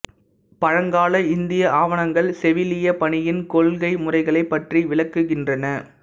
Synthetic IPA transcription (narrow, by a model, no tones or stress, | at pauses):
pɐɻɐŋɡaːɭɐɪnd̪ɪjɐʔaːʋɐɳɐŋɡɐɭsɛʋɪlɪjɐpɐɳɪjɪnkɔɭɣɐɪmʊrɐɪɣɐɭɐɪpːɐʈriʋɪɭɐkːɯɣɪndrɐnɐ